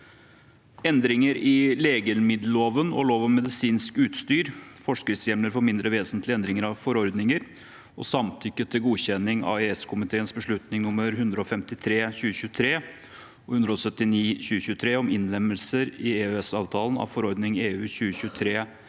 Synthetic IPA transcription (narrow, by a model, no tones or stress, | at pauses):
ɛnd̪ɾɪŋəɾɪleːɡəlmɪd̪ləloːʋənɔ̰ɭoːʋɑʋmɛd̪ɪsiːnskʉːt̪st̪yːɾfɔʂkɪsjɛmləɾfoːɾmɪnd̪ɾʔəʋeːsənt̪ʰlɪɛnd̪ɾɪŋəɾɑʋfɔɾɔɾd̪nɪŋəɾ | ɔ̰sɑmt̪ʰʏkːət̪ʰɪlɡuːɕɛnɪŋɑ̰eɛskʰʊmɪt̪ʰeːənsbəʂɭʉt̪nɪŋnʊmːəɾɦʉnd̪ɾəɔfɛmt̪ɪt̪ʰɾeːçʉːəɕʉːt̪ʰɾeː | ɔhʉnd̪ɾəɔsœt̪ːɪniːçʉːəɕʉːət̪ʰɾeːɔmɪnlɛmːəlsəɾɪeːøɛsɑːʋt̪ʰɑːlən̩ɑ̰ʋfɔɾɔɾd̪nɪŋeːʉːçʉːəɕʉːət̪ʰɾeː